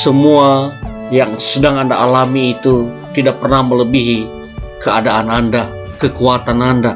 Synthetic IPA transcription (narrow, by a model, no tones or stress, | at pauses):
səmua | jaŋsədaŋanda̰ʔalamiːt̪u | t̪idak̚pərnahmələbiɦi | kəadaːnanda | kəkuat̪ananda